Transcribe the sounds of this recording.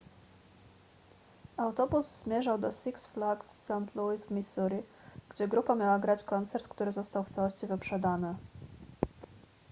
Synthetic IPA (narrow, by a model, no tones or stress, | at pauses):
awt̪ɔbuzzmʲjɛʐawd̪ɔsiksflaɡsːant̪luizvmʲisuɾiɡ̥d͡ʑɛɡɾupamʲjawaɡɾat͡ɕkɔnt̪sɛɾt̪kt̪uɾɘzɔst̪awft̪sawɔɕt͡ɕivɘpʂɛd̪anɘ